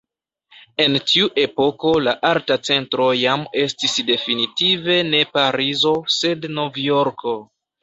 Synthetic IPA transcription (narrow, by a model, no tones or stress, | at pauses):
e̞ntʰiuʔe̞po̞ko̞laʔaltat͡se̞ntɾo̞jame̞stisde̞finitive̞ne̞paɾizo̞se̞dnovjoɾkʰo̞